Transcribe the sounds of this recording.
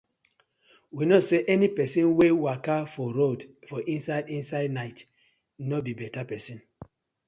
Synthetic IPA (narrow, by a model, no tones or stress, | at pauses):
winɔseʔɛnipɛsĩnwewakafɔɹodfɔʔĩnsaɪdĩnsaɪdnaɪt | nobibɛtapɛsĩn